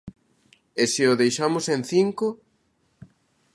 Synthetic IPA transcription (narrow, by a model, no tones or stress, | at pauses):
esɪʊðejʃamʊsẽnθiŋko